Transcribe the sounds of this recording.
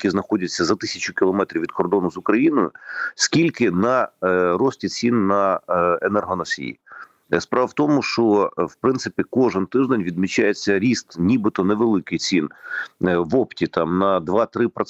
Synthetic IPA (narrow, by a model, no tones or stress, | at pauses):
kʲiznɐxɔdʲɐt͡sʲːɐzɐt̪ɪsʲɐt͡ʃʊkʲɪlˠɔmɛt̪ɾʲiʋʲid̪kɔrd̪ɔnʊzʊkɾɐjinɔjʊ̰skʲilʲkɪnɐɾɔsʲtʲit͡sʲinːɐenɛrɦɔnɐsʲḭjḭ | spɾɑʋɐwt̪ɔmʊʃt͡ʃɔwpɾɪnt̪sɪpʲikɔʒɪnt̪ɪʒd̪enʲʋʲid̪mʲit͡ʃːajet͡sʲːɐɾʲist̪nʲibɪt̪ɔneʋelˠɪkɪjt͡sʲin | ʋɔptʲit̪ɑmnɐd̪ʋɑt̪ɾɪpɾɔ